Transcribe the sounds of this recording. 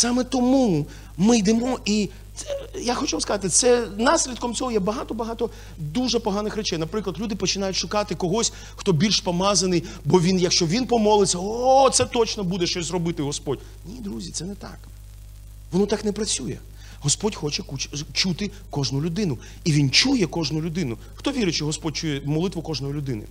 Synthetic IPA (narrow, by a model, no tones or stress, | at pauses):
sɑmɛt̪ɔmu | mɪjd̪ɛmɔi | ɛjaxɔt͡ʃuʋamskɐzɑat̪ɪt̪sɛnɑsʲlʲid̪kɔmt͡sʲɔɦɔjɛbɐɦɑt̪ɔbɐɦɑt̪ɔ | d̪uʐɛpɔɦɑnɪxɾɛt͡ʃɛjnɐpɾɪklˠɐd̪lʲud̪ɪpɔt͡ʃɪnɑjʊtʲʃʊkɑt̪ɪkɔɦɔsʲ | xt̪ɔbʲilʲʃpɔmɑzɐnɪj | bɔʋʲinjɐkʃt͡ʃɔʋʲinpɔmɔlˠɪt͡sʲːɐɔɔt̪sɛt̪ɔt͡ʃnɔbud̪ɛʃt͡ʃɔsʲzrɔbɪt̪ɪɦɔspɔdʲ | nʲid̪ɾuzʲit̪ɛnɛt̪ɑ̰k | ʋɔnɔt̪ɑknɛpɾɐt͡sʲujɛ | ɦɔspɔdʲxɔt͡ʃɛkut͡ʃt͡ʃut̪ɪ | kɔʒnʊlʲʊd̪ɪnʊ | iʋʲint͡ʃujɛkɔʒnʊlʲʊd̪ɪnʊ | xt̪ɔʋʲiɾɪt͡ʃɔɦɔspɔd̚ʲt͡ʃujɛmɔlˠɪt̪ʋʊkɔʒnɔjilʲʊd̪ɪnɪ̰